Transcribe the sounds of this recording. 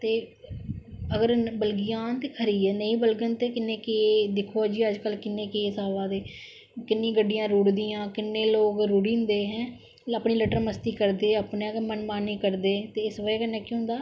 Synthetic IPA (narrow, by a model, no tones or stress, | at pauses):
t̪eː | əɡəɾbəlɡɪjãːnt̪eːkʰəɾiːɛːnə̃ĩːbəlɡənt̪eːkɪnːeːkeːd̪ɪkʰoːd͡ʒiːəd͡ʒkəlkɪnːẽːkeːsaːʋaːd̪eː | kɪnːĩːɡəɖijãːɾuːɽd̪iːãːkɪnːeːloːɡɾuːɽĩːnd̪eːɦɛ̃ː | apɳiːləʈəɾməst̪iːkəɾd̪eːəpnekmənmaːnːiːkəɾd̪eːt̪eːɪsʋəekənːɛːkiːɦʊ̃nd̪aː